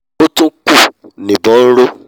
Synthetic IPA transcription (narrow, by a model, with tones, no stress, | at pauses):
o˦tũ˦ku˦˨nĩ˨bɔ̃˨˦n̩˦ɾo˦